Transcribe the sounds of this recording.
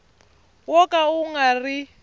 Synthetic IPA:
wɔkʼauŋɡari

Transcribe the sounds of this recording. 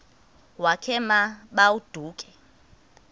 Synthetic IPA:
wakʰɛmaɓaud̥ʱuːkʼɛ

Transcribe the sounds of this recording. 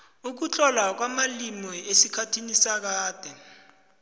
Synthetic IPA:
uk̬ut͡ɬʰʼɔlak̬wamalimɔesikʰatʰinisak̬aːd̥ʱɛ

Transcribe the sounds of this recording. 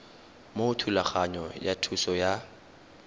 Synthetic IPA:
motʰulaχaɲɔjatʰusɔja

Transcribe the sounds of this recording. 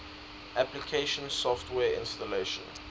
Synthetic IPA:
ʔæplikʰeʃə̃nsɔftʰwɛːɪ̰̃nstəleʃɔ̰̃n

